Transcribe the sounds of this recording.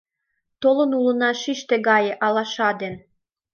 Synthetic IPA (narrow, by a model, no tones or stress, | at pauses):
t̪olɤ̆nulə̆nɑʃiʃt̪eɡɑjeʔɑlɑʃɑd̪en